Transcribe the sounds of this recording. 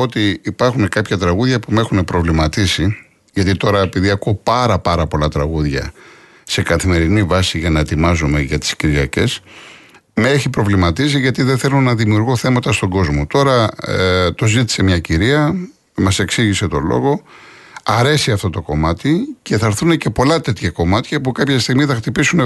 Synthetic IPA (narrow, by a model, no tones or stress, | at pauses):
ot̪iːpɐɾxune̞kɐpçɐt̪ɾɐɣuðʝɐpume̞xune̞pɾo̞vlimɐt̪isi | ʝɐt̪it̪o̞ɾɐepiðiɐkopɐɾɐpɐɾɐpo̞lɐt̪ɾɐɣuðʝɐ̰ | se̞kɐθime̞ɾinivɐsiʝɐnɐet̪imɐzume̞ʝɐt̪i̥sciɾʝɐce̞s | meeçipɾo̞vlimɐt̪isiʝɐt̪iðeθe̞lunɐðimiuɾɣoθe̞mɐt̪ɐst̪o̞ɡo̞zmo̞t̪o̞ɾɐ | t̪o̞zit̪i̥se̞mɲɐciɾiɐ | mɐse̞ksiʝise̞t̪o̞̰lo̞̰ɣo̞ | ɐɾe̞siɐft̪ot̪o̞ko̞mɐt̪ice̞θɐɾθune̞ce̞po̞lɐt̪e̞t̪çɐko̞mɐt̪çɐpukɐpçɐst̪iɣmiθɐxt̪ipisun